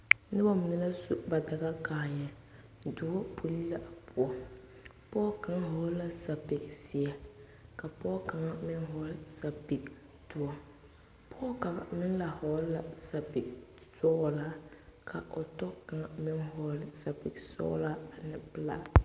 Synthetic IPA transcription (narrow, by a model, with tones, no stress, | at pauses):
nɪ˦ba˦m˨nɪ˦la˦su˦ba˨da˨ɣa˦kaː˨ɲɛ˨ | dʊ˨˦ɔ˦pʰu˨li˦la˦ʔa˨pʊ˨ɔ˦ | pɔ˦ka˨ŋa˦ɦɔ˦la˦sa˨bɪ˨ksɪ˨ɛ˦ | ka˨pɔ˦ka˨ŋa˦mɪ˦nɦɔ˨˦lsa˨bi˨k | tʊ˦ɔ˦ | pʰɔ˦ka˨ŋa˨mɪ˦nla˨hɔ˨˦la˨sa˨bi˨k̚ | sɔ˦ɣlaː˦kʰa˨ʔo˨tɔ˦ka˨ŋa˨mɪ˦ŋhɔ˦lsa˨bɪ˨ksɔ̰˦la˦a˨nɪ˨pɨ˦la̰˦